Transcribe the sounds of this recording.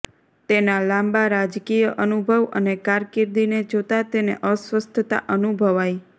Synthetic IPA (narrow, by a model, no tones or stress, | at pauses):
t̪enalãmbaɾad͡ʒkijəʔənubʱəʋə̰nekaɾkiɾd̪ined͡ʒot̪at̪eneʔəsʋəst̪ʰət̪a̰ʔənubʱəʋaj